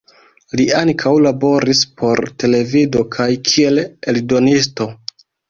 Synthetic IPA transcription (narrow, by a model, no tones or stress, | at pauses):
liaŋkʰawlabo̞ɾispʰo̞ɾte̞le̞vido̞kʰajkʰie̞le̞ldo̞nisto̞